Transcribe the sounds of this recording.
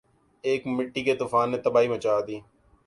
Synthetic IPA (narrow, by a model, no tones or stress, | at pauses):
eːkmɪʈːiːket̪uːfaːnːẽːt̪əbaːimət͡ʃaːd̪iː